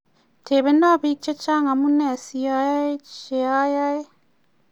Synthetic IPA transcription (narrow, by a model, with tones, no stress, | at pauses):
te˨βe˦na˦βi˦t͡ʃe˦t͡ʃa˦ŋa˨mu˦nɛ˨si˦a˦ja˦e˦t͡ʃe˨a˦ja˦e˦